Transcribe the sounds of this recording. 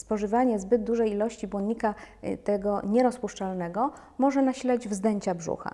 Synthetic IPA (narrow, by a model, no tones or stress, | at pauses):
spɔʐɘvaɲɛzbɘd̪̚d̪uʐɛjilɔɕt͡ɕibwɔnɲikat̪ɛɡɔɲɛɾɔspuʂt͡ʂalnɛɡɔ | mɔʐɛnaɕilad͡ʑvzd̪ɛɲt͡ɕabʐṵxa̰